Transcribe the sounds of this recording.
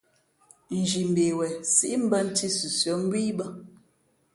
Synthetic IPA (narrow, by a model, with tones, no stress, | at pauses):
n̩˨d͡ʒi˨m̩˨be˨wɛ˨sḭ˦ʔm̩˦bə˦n̩˦ti˦su˨sjɔ˨˦m̩˦bwi˦bə˦